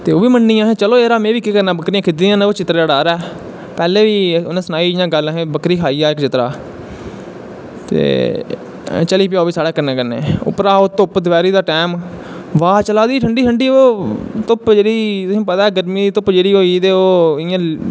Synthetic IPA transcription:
t̪eːoːʋiːmənːiːãːɦẽːt͡ʃəloːeːɾaːmẽːʋiːkiːkəɾnaːbəkɾiːãkʰɪd̪ijãːneːoːt͡ʃɪt̪ɾeːɽaːɾɛː | pɛːleːʋiːonãːsənaːiːd͡ʒãːɡələɦẽːbəkɾiːkʰaːiːaːɪkd͡ʒɪt̪ɾa̰ː | t̪ḛː | t͡ʃəliːpɪjaːʋiːsaːɽaːkəɾnẽːkəɾnḛːo̰pɾaːoːt̪ʊpd̪ʋɛːɾiːd̪aːʈɛːm | ʋaːt͡ʃəlaːd̪iːʈʰəɳɖiːʈʰəɳɖiːoːt̪ʊpd͡ʒeːɽiːt̪ʊsĩːpət̪aːɛːɡəɾmiːit̪ʊpd͡ʒeːɽiːɦoːiːt̪eːoːɪjãː

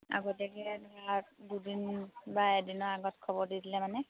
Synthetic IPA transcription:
a̰ɡɔtakɛɛnkadudinbajɛdinɔɹaɡɔtkʰɔbɔɹdidilɛmanɛ

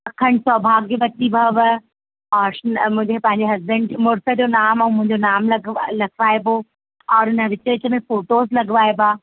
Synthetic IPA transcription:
kʰɐɳɖsɔbʱaːɡibɐt̪ibʱɐʋə | ɔːɾʃnmʊ̃ɦɪ̃d͡ʑepɐ̃ɦɪ̃ɲ̆d͡ʑeɦɐzbəɳɖd͡ʑmʊɾsə̆d͡ʑonaːmɛ̃ːmʊ̃ɦɪ̃ɲd͡ʑonaːmlɐlɐkʰʋaːebo | ɔːɾɪnə̆ʋɪt͡ɕəɪt͡ɕəmẽfoːʈoːzlɐɡʋaːebaː

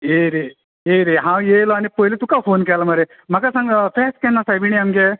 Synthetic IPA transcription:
eɾe | eɾeɦãwjejlɔanipojlit̪ukafoːnk̬ɛlamɐɾe | m̤ɐkasãŋfeskɛnːasabiɽ̃iɐmɡe

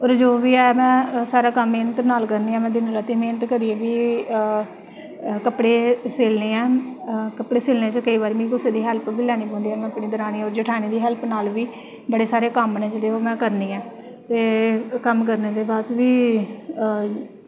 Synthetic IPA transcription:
ɔːɾd͡ʒoːʋiːɛːmɛ̃ːsaːɾaːkəmːeːnət̪naːlkəɾniːɛ̃ːmɛ̃ːd̪ɪnlaːt̪iːmeːnət̪kəɾieːʋiː | kəpɽeːseːlneːɛːkəpɽeːseːlneːt͡ʃəkəiːʋaːɾiːmẽːikʊseːd̪iːɦɛlpʋiːlɛːñiːpɔ̃ːnd̪iːɛːmɛ̃ːəpɳiːd̪əɾaːniːɔːɾd͡ʒəʈʰaːniːd̪iːɦɛlpnaːlʋiː | bəɽeːsaːɾeːkəmːneːd͡ʒəleːoːmɛ̃ːkəɾniːɛː | t̪eːkəmkəɾneːd̪eːbaːd̪ʋiː

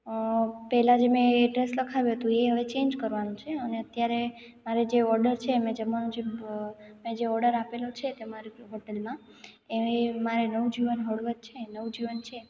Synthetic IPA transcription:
pɛɦlad͡ʒemẽːɖɾesləkʰaʋjũɦət̪ũeɦəʋet͡ʃẽnd͡ʒkəɾʋanũt͡ʃʰeəneət̪jaɾe | maɾed͡ʒeɔɾɖəɾt͡ʃʰemẽd͡ʒəmːanũd͡ʒe | mẽd͡ʒeɔɾɖəɾapelot͡ʃʰet̪emaɾiɦoʈelmã | eʋemaɾenəʋud͡ʒiʋənɦəɭʋət̪̚t͡ʃʰenəʋud͡ʒiʋənt͡ʃʰe

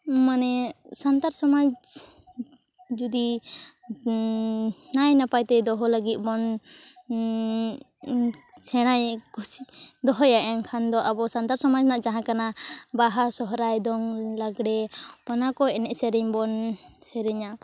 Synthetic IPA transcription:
manɛsant̪aɾsɔmad͡ʒ | d͡ʒud̪i | najnapajt̪ɛd̪ɔɦɔlaɡit̪̚ˀbɔn | sɛɽ̃ajkusi̥d̪ɔɦɔjaʔɛŋkʰand̪ɔʔabɔsant̪aɾsɔmad͡ʒnaʔd͡ʒaɦãkanabaɦasɔɦɾajd̪ɔŋlaɡɽɛpanakɔɛnɛʔsɛɾɛɲbɔnsɛɾɛɲa

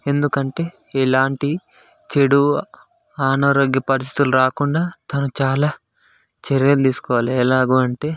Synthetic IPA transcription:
e̞nd̪ukɐɳʈe̞ː | ɛlaːɳʈi | t͡ʃeɽu | aːnɐːɾoːɡjɐpɐɾist̪i̥t̪uluɾaːkuɳɖaːt̪ɐnut͡ʃaːlaː | t͡ʃeɾijɐld̪iːsu̥kɔːʋaːliɛːlaːɡuːɐɳʈe̞ː

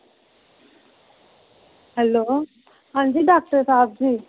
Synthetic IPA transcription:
hɛloː | hãnd͡ʑiːɖaːk̚ʈəɾsaːb̚d͡ʑiː

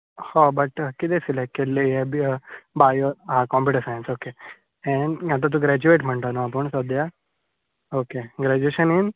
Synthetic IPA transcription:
hobɐʈkit̪esilekelːeɦebbajoɦãkɔmpiʈəsaj̃nsoke | ɛ̃ɳɖat̪̬at̪̬ũɡɾɛd͡ʑueʈm̤əɳt̪anoap̬əɳsɔd̪ja | okeɡɾɛd͡ʑueɕənin

